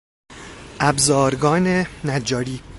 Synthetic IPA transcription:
ʔæbzɒːɾɡɒːnenæd͡ʒːɒːɾiː

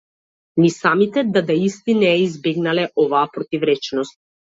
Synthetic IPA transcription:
nisamit̪ɛd̪ad̪aist̪inɛːizbɛɡnalɛʔɔvaːpɾɔt̪ivɾɛt͡ʃnɔst̪̚

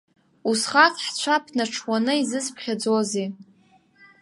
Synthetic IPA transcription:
usχafʰħt͡ɕʷʰapʰnaʈ͡ʂʰwanɨizɨspʰχʲad͡zozi

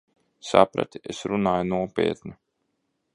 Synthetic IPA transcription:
sa̰pɾa̰t̪iesɾunaːjunuɔpʲḛːt̪nʲu

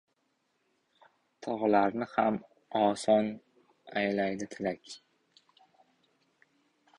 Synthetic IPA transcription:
t̪ʰɒʁlaɾnɪham | ɒsɒn | ajlajd̪ɪt̪ʰɪlakʲ

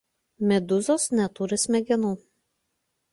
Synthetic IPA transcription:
mʲɛd̪ʊzoːsnʲɛt̪uɾʲɪsmʲɛɡʲɪnuː

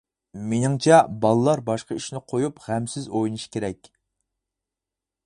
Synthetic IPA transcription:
menɪŋt͡ʃʰɛbɑlˠɨlˠɑɾbɑʃqɑiʃnɪqʰojupʁæmsɪzojnɨʃkʲʰeɾɛkʲ

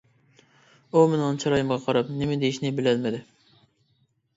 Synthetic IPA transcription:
umɪnɨ̃nt͡ʃʰɑɾɑjɪmʁɑqʰɑɾɑpnɪmɪd̪ejiʃnɪbɪlælmɪd̪ɪ

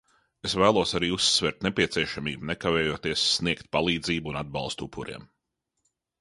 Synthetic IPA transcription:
esvæːlˠuɔsaɾiːusːvɛɾt̪nepʲiɛsiɛʃamiːbunɛkavɛːjuɔːt̪iɛsːniɛkt̪̚palˠiːd̪ziːbuunad̪̚bɑlˠst̪upʰːuɾḭɛm

